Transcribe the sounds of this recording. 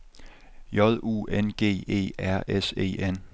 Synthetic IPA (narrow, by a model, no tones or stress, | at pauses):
jɒ̽ð̞ˠṵːenɡ̥e̝̰ːe̝̰ːæɐ̰ʔese̝̰ːen